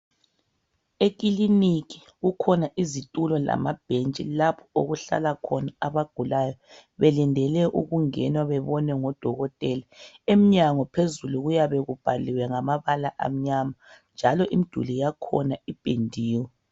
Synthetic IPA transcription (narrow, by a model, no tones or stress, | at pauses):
ek̬ʼiliniɣi̥ | ɣukʰɔnaʔizitʼulɔla̰mab̥ʱent͡ʃʼḭlapʰɔ̥oɣuɬa̰lakʰɔnaaβaɡ̥ʱulajɔβɛlindʱɛlɛʔṵɣuŋɛnwaβɛβɔnɛŋɔd̥ʱɔɣɔtʼɛlaem̩ɲaŋɔpʰezuluɣujaβɛɣub̥ʱaliwɛŋamaβalaʔa̰m̩ɲamand͡ʒʱalɔʔimid̥ʱṵlijakʰɔ̰naib̥ʱʼendʱiːwɔ